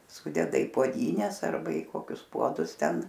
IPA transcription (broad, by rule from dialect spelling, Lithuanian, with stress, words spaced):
ˈsʊdʲɛdɐ iː puɔˈdʲiːnʲɛs ˈɐrbɐ ɪ ˈkoːkʲʊs ˈpuɔdʊs ˈtʲɛn